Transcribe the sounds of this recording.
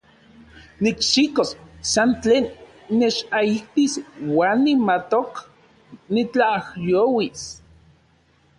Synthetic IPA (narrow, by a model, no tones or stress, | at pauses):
nikʃikossant͡ɬeːnː | et͡ʃaiht̪iswaːnːimat̪ok | nit͡ɬahjoːwis